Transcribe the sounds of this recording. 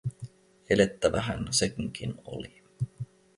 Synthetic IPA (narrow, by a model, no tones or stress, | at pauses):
ele̞t̪ːæʋæɦænsekŋk̟ʰino̰li